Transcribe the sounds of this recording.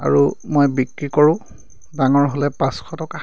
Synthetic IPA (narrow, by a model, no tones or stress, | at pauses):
a̰ɹumojbikɹikoɹʊ̃ | daŋɔɹɦolɛpãskʰɔtɔka